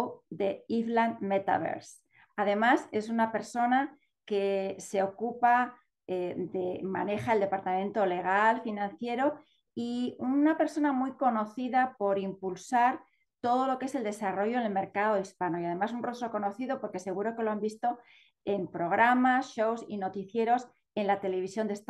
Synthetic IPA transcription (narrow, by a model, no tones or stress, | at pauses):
d̪eiθlanmet̪a̰βḛɾs | að̞e̞mase̞sunape̞ɾso̞na | kese̞o̞kupa | ed̪ema̰ne̞xaeld̪e̞paɾt̪amẽnt̪o̞le̞ɣ̞alfinãnθje̞ɾo̞ | iunape̞ɾso̞namujko̞no̞θiðapo̞ɾimpulsaɾ | t̪o̞ð̞o̞lo̞kee̞se̞ld̪e̞saro̞ʝoenelme̞ɾkað̞o̞ispano̞ijað̞e̞masunro̞st̪ɾo̞ko̞no̞θiðo̞po̞ɾke̞se̞ɣ̞uɾo̞ke̞lo̞ambist̪o̞ | e̞mpɾo̞ɣ̞ɾamasʃo̞wsino̞t̪iθje̞ɾo̞s | e̞nlat̪e̞le̞βisjond̪est̪